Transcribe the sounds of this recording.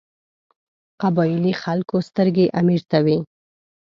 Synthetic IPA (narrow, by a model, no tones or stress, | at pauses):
qabɑjɪlixalkost̪əɾɡeʔamiɾt̪awi